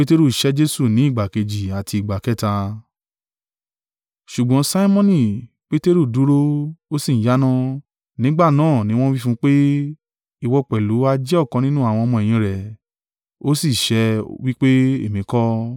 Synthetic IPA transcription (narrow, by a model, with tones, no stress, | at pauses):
pe˦te˦ɾu˦˨ʃɛ˦d͡ʒe˦su˦˨nĩ˨˦i˦˨ɡ͡ba˨ke˧d͡ʒi˨a˨ti˧i˨ɡ͡ba˨kɛ˦ta˧ | ʃu˨ɡ͡bɔ̃˨˦sa˦i˦mɔ̃˦nĩ˦˨ | k͡pe˦te˦ɾu˦˨du˨˦ɾo˦o˦si˦˨n̩˨˦ja˨˦nã˦ | nĩ˨˦ɡ͡ba˦˨nãː˦˨nĩ˦w̃ɔ̃˦wi˦fũ˦k͡pe˦ | i˧˨wɔ˧k͡pɛ˨lu˨˦a˧d͡ʒɛ˦ɔ˦˨kɔ̃˧nĩ˦nũ˦a˦˨w̃ɔ̃˧ɔ˧mɔ̃˧ɛ˨j̃ĩ˧˨ɾɛ˨ | o˦si˦˨ʃɛ˧˦wi˦k͡pe˦ḛ˦˨mĩ˨˧kɔ˦